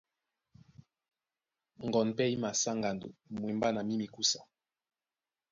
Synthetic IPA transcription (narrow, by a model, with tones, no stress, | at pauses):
ŋ˨ɡɔ˨npɛ˦i˦ma˨sa˦ŋɡa˨ndo̰˨mwe˨mba˦na˨mi˦mi˨ku˦sa˨